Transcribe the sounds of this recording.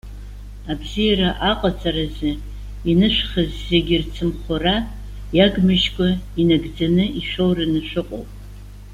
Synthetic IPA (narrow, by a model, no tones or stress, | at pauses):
abzijaɾaʔaqʼat͡sʰʼaɾazɨ | inɨʃᶣʷχɨzzeɡʲɪrt͡sʰɨmχʷara | jaɡmɨʒkʷʼainaɡd͡zanɨiʃʷᶣowrɨnɨʃʷᶣɨqʼo̰wpʼ